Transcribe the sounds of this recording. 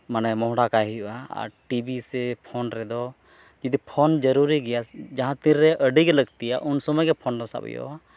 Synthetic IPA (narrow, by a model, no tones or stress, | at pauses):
manɛmɔɦɽakajɦijuʔaa̰ɾʈibisɛpʰɔnɾɛd̪ɔ | d͡ʒid̪ipʰɔnd͡ʒəɾuɾiɡɛjasd͡ʒaɦãt̪ĩɾːɛʔəɖiɡɛləɡt̪ijaʔunsɔmɔjɡɛpʰɔnd̪ɔsa̰bɛ̰jɔ̰ʔa